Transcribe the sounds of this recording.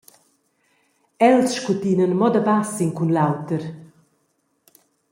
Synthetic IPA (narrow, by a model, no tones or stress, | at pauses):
ɛlsʃkut̪inənmɔd̪abasiŋkunlawt̪əɾ